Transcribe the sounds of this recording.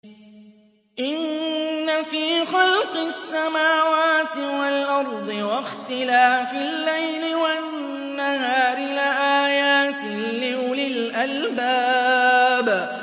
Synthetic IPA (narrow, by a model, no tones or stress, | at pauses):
ʔɪnːafiːxɑlqɨsːamaːwaːt̪ɪwalʔɑɾˤd̪ˤɨwaxt̪ɪlaːfɪlːajlɪwa | nːaɦaːɾɪlɪʔaːjaːt̪ɪlɪʊlɪlʔalbaː | b